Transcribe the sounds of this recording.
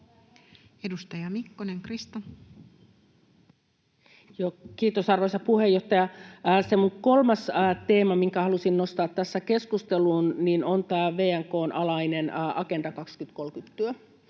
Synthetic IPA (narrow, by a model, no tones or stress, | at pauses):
edust̪ɑjɑmikːoneŋkrist̪on | jokiːt̪osɑrʋosɑpuhejːoht̪ɑjɑsemuŋko̞lmɑst̪e̞ːmɑmiŋkæhɑlusinnost̪ɑːt̪ːæsːæke̞skust̪eluːnninont̪æʋeːæŋko̞ːnʔɑlɑinenɑkend̥ɑkɑkskyt̪kolkyt̪ːyø